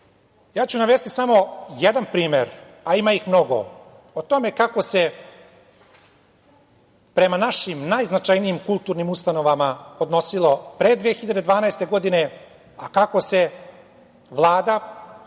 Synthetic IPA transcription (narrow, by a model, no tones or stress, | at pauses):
jaːt͡ɕunaʋest̪isamo̞jed̪anpɾiːmeɾ | aimaixmno̞ɡo̰ | ot̪o̞me̞kako̞se̞ | pɾe̞manaʃimnajznat͡ʃajniimkulˠt̪uːɾnimust̪ano̞ʋamaod̪no̞silˠopɾed̪ʋeexiʎad̪e̞d̪ʋaːnajst̪e̞ɡo̞d̪ine̞ | akako̞se̞ | ʋlˠaːd̪a